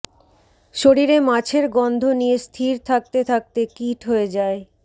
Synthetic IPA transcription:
ʃoɾiɾemat͡ɕʰeɾɡɔnd̪ʱonijest̪ʰiɾt̪ʰak̚t̪et̪ʰak̚t̪ekiʈɦoed͡ʑae

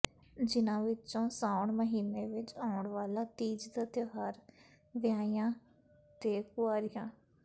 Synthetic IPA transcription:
d͡ʒɪnãːʋɪt͡ʃõːsaːʊɳməɦiːneːʋɪt͡ʃaːʊɳʋaːlaːt̪iːd͡ʒd̪at̪joɦaːɾ | ʋɪjaːijãː | t̪eːkʊwaːɾɪjãː

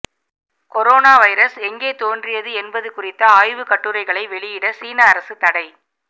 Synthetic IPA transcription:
kɔɾoːnaːʋɐɪɾɐsɛŋɡeːt̪oːndrɪjɐðɯɛnbɐðɯkʊrɪt̪ːɐaːjʋɯkɐʈːɯɾɐɪɣɐɭɐɪʋɛɭɪjɪɽɐsiːnaːɾɐsɯt̪ɐɽɐɪ

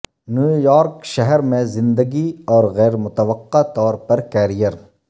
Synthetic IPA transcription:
njuːjɔːɾkʃɐɦɛɾmẽzɪ̃nd̪əɡiɔːɾɣɛːɾmʊt̪ɐʋɐqːat̪ɔːɾpɐɾkɛːɾijəɾ

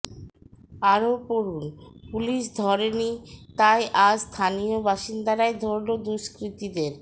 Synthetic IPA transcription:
aɾopoɾunpuliʃd̪ʱɔɾenit̪ajʔast̪ʰaniobaʃind̪aɾaed̪ʱoɾlod̪uʃkɾit̪id̪eɾ

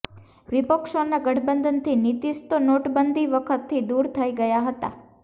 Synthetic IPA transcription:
ʋɪpəkʃonaɡəʈʰbənd̪ʱənt̪ʰinit̪ist̪onoʈbənd̪ʱiʋəkʰət̪ʰːid̪uɾt̪ʰəiɡəjaɦət̪a̰

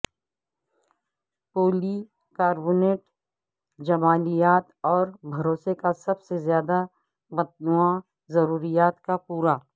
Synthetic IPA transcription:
poːli | kaːɾbuːneːʈ | d͡ʒɐmaːlijaːt̪ɔːɾbʱɐɾoːsekasɐbsezjaːd̪a | bɐt̪nua | zɐɾuːɾijaːt̪kapuːɾaː

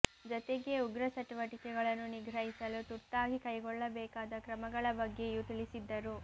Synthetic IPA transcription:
d͡ʒɔt̪eɡe̞uɡɾɐsɐt̪iʋɐʈikɛɡɐɭɐnːuniɡɾɐɦisɐlut̪uɾt̪aːɡikɐjɡɔɭːɐbɛːkaːd̪ɐkɾɐmɐɡɐɭɐbɐɡːe̞jut̪iɭisid̪ːɐɾu

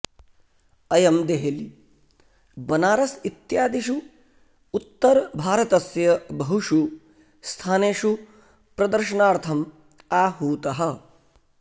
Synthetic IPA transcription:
ɐjɐmd̪eɦeli | bɐnaːɾɐsit̪jaːd̪iʃuː | t̪ːɐɾbʱaːɾɐt̪ɐsjɐbɐɦuʂu | st̪ʰaːneːʃu | pɾɐd̪ɐɾʃɐnaːɾt̪ʰɐm | aːɦuːt̪ɐɦɐ̆

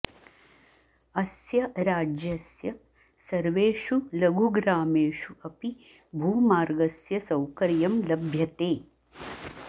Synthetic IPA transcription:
ɐsjɐɾaːd͡ʒjɐsjɐ | sɐɾʋeːʃulɐɡʱuɡɾaːmeːʃuɐpi | bʱuːmaːɾɡɐsjɐsɐwkɐɾjɐmlɐbʱjɐt̪eː

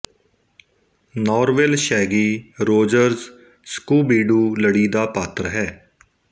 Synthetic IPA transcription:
nɔːɾʋelʃɛːɡiːɾoːd͡ʒəɾz | skuːbiːɖuːləɽiːd̪aːpaːt̪ɾɦɛː

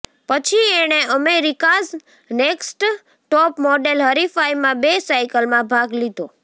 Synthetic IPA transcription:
pət͡ʃʰieɽ̃eəmeɾikaz | neksʈ | ʈɔpmɔɖelɦəɾifajmãbesajkəlmãbʱaɡlid̪ʱo

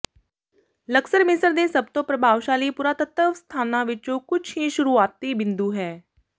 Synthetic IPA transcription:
ləksəɾmɪsəɾd̪eːsəb̚t̪õːpɾəbʱaːʋʃaːliːpuːɾaːt̪ət̪əʋst̪ʰaːnãːʋɪt͡ʃõːkʊt͡ʃʰɦĩːʃʊɾuːaːt̪iːbɪ̃nd̪uːɦɛː

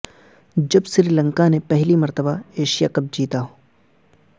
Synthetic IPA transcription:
d͡ʒɐbsɪɾilə̃ŋkanepɛɦlimɐɾt̪əbaeːʃijakɐb̚d͡ʒiːt̪aɦoː

